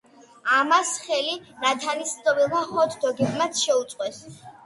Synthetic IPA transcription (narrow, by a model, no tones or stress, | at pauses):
amasχɛlinat̪ʰanist̪ʼɔvilˠmaχɔt̪ʰd̪ɔɡɛbmat̪sʰʃɛut̪sʼqʼwɛs